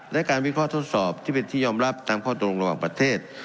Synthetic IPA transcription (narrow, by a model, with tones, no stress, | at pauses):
lɛ˦˥ʔkaː˧nwi˦˥˩kʰɔː˥˩t̪ʰo˦˥t̪̚sɔː˨˩p̚t̪ʰiː˥˩pe˧nt̪ʰiː˥˩jɔː˧mɾa˦˥˩p̚t̪aː˧mkʰɔː˥˩˧o˧ŋɾa˧waː˨˩ŋpɾa˧t̪ʰeː˥˩t̪̚